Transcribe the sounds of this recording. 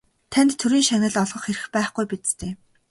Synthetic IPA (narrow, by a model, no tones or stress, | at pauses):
t̪ʰænt̪ʰːɵɾiːŋʃanʲə̆ɮɔɮʁɞ̆χxeɾɘ̆xpæːχɡujpit͡s̪t̪ʰeː